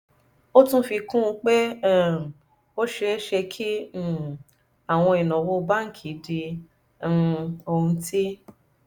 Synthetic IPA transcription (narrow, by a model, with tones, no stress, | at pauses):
o˦tũ˦fi˧kũ˦u˧k͡pe˦˨ | o˦ʃɛ˧˦ʃɛ˧kʰi˦˨ | a˨w̃ɔ̃˧i˨nɔ̃˨wo˧ba˦ŋ̩˦˨kʰi˨˦di˧˦ | o˧ũ˧˦ti˦